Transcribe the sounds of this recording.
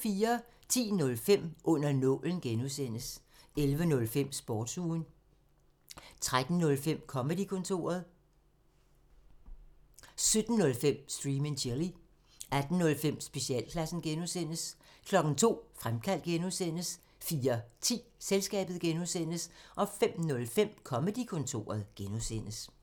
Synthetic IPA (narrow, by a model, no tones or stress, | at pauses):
fiːɐ | t͡sʰḭːnɔ̽lfem̰ʔɔ̽n̰ɐnɔ̽ːln̩ɡ̥enusen̰əs | elʋənɔ̽lfem̰sb̥ɒːd̥suːn | t͡sʰʁad̥n̩nɔ̽lfem̰kʰɒ̽məd̥ikʰɔ̽nt͡sʰo̝̰ːɐð̞ˠ | sød̥n̩ːɔ̽lfem̰sd̥ʁiːmenɕʰeli | æd̥n̩nɔ̽lfem̰sb̥e̝siɛ̰ːlkʰlæsn̩ɡ̥enusen̰əskʰlɒ̽ɡ̥n̩t͡sʰo̝̰ːfʁamkʰæl̰d̥̚ɡ̥enusen̰əs | fiːɐt͡sʰḭːselsɡ̥ɛ̰ːb̥ð̩ˠɡ̥enusen̰əsʔɒ̽fem̰nɔ̽lfem̰kʰɒ̽məd̥ikʰɔ̽nt͡sʰo̝̰ːɐð̞̩ˠɡ̥enusen̰əs